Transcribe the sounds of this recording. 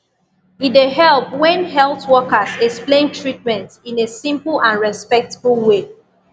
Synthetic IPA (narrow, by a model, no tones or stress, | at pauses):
ideɦɛlˠpwɛ̃nɦɛlˠθwɔkəsɛksplẽntʰɹit̚mɛ̃ntĩnesĩmpəl̩ãnɹɛspɛk̚təbəlˠwe